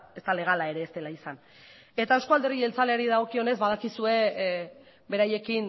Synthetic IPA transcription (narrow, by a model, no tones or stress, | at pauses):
e̞st̪ale̞ɣ̞alae̞ɾe̞ːst̪e̞laisan | e̞t̪aeskoald̪e̞rielt͡sale̞aɾiðaɣ̞o̞kio̞ne̞zβað̞akisue̞ | be̞ɾaje̞kin